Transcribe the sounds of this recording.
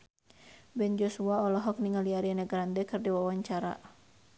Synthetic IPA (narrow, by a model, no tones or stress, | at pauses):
bɛnd͡ʒɔsuaɔlɔɦɔk̚niŋaliaɾianaɡɾandɛkɨrdiwawaɲt͡ʃaɾa̰